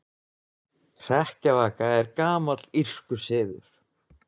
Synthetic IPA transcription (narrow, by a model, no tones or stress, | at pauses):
r̥ɛhcavaːkaɛɾkaːmat̪lir̥kʏsɪːðʏ̰ɾ̥